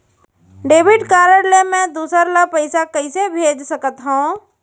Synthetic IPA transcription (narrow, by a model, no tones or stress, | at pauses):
ɖeːbɪɖkaːɾəɽlemɛ̃d̪uːsəɾlapəɪsakəɪsebʱeːd͡ʒsəkət̪ɦũː